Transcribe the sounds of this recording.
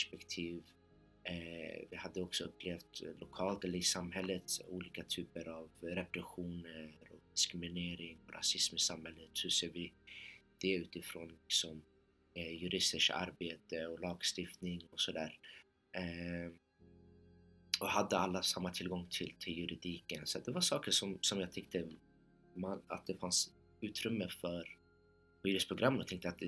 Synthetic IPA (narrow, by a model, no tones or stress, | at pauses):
pɛʂpɛkt̪ʰiːv | vɪhad̪ːəɔksɔɵpːleːft̪lʊkʰɑːlt̪ɛlːəɾɪsamɦɛlːət̪ṵːliːkat̪ʰyːpəɾavɾɛpɾɛɧuːnəɾɔd̪ɪskɾɪmɪneːɾɪŋɔɾʔa̰sɪsmɪsamhɛlːət̪hɵseːvɪ | d̪̥ɛʉ̟ːt̪ɪfɾoːnlɪksɔm | jɵɾɪst̪əʂka̰ɾbeːt̪əɔlɑːɡst̪ɪft̪nɪŋɔsɔd̪æːɾ | ɔhad̪ːəalːasamːat̪ʰɪlɡɔŋt̪ʰɪlt̪ʰɪljɵɾɪd̪iːkənsat̪̚d̪ɛvaʂɑːkəʂɔmsɔmjaːɡt̪ʰɛk̚t̪ə | mana̰t̪̚d̪ɛfans | ʉ̟ːt̪ɾɵmːəfœɾ | vyːɾəspʰɾʊɡɾʔamːənɔt̪ʰɛŋkt̪əat̪̚d̪ɛ